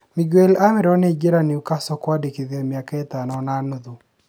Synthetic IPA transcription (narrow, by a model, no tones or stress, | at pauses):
mɪɡwelamɪɾɔnɛd͡ʒeɾaniukasɔkwadikɪðjɛmjakɛt̪anɔnanod̪u